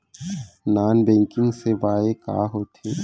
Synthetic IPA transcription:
naːnbɛ̃ːŋkɪ̃ŋɡsebaːeka̰ːɦoːt̪ʰeː

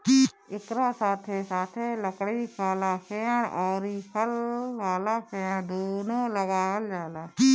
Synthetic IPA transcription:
ɪkɾaːsaːt̪ʰeːsaːt̪ʰeːləkɽikʰaːlaːkʰeːɽɔːɾiːkʰəlːaːlaːkʰeːɽd̪oːnõːləʋaːld͡ʒaːlaː

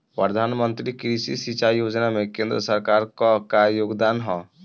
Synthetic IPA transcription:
pɾəd̪ʱanmənt̪ɾikɾisisit͡ʃajod͡ʒnamekend̪ɾəsəɾkaɾkɔkajoɡd̪anɦɔ̃

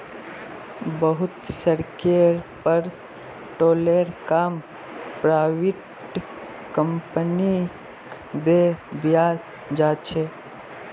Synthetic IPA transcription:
bəɦʊt̪səɾkeɾpəɾ | ʈoːleːɾkaːm | pɾaːʋɪʈ | kəmpəni | k | d̪ed̪ija | d͡ʒaːt͡ʃʰeː

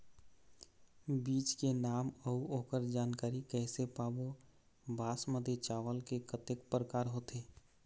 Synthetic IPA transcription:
biːt͡ʃkenaːməuoːkəɾd͡ʒaːnkaːɾikɛːsepaːbo | bʱaːsməd̪ʱet͡ʃaːʋəlkekət̪ekpɾəkaːɾɦoːt̪eː

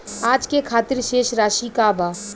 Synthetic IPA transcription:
aːd͡ʒkekʰaːt̪ɪɾʃeːʃɾaːʃikabaː

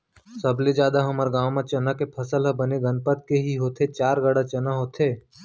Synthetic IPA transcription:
səbled͡ʒjaːd̪aɦɐməɾɡaːʋmãt͡ʃənakepʰəsəlɦɐbəneɡənpət̪̚keɦiɦoːt̪ʰet͡ʃaːɾɡəɽat͡ʃənaɦoːt̪ʰeː

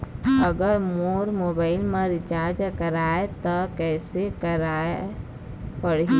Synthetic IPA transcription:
əɡəɾmoɾmobaɪlmə̃ɾɪt͡ʃaɾd͡ʒkəɾaet̪ɔkɛːsekəɾae | pəɽ

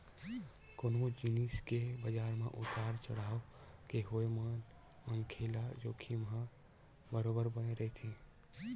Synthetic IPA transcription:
konod͡ʒiniskebəd͡ʒaɾmḛ̃ʔut̪aɾt͡ʃəɽaːokeɦojmən | məŋkʰelad͡ʒoːkʰimɦã | bəɾobəɾbəneɾəɦt̪ʰĩ

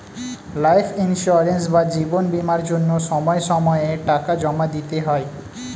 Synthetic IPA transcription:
lajpʰinʃuaɾensbad͡ʑibonbimaɾd͡ʑonːoʃɔmɔeʃɔmɔeeʈakad͡ʑɔmad̪it̪eɦɔe

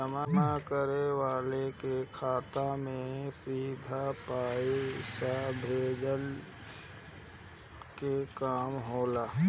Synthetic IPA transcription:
əmanakəɾeʋaːlekekʰaːt̪amẽsɾiːd̪ʱapaːiʃabʱeːd͡ʒəl | kekaːmɦoːlaː

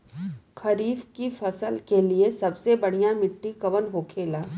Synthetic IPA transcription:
kʰɐɾiːfkifɐsəlkeliesɐbsebɐɽ̤ijamɪʈːikɐʋənɦoːkʰeːlaː

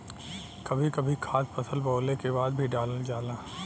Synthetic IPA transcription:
kɐbʱikɐbʱikʰaːspɐsəlboːlekebaːd̪̚bʱiɖaːləld͡ʒaːlaː

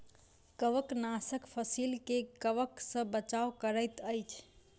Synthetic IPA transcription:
kəʋəknasəkpʰəsilkekəʋəksə̃bət͡ʃawkəɾəjt̪əjt͡ʃʰ

